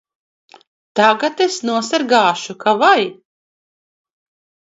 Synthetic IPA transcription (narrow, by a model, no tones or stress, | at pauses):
t̪aɡat̪esnuɔsaɾɡaːʃukavaj